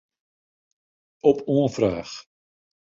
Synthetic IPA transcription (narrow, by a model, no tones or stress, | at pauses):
ɔpuənfraːx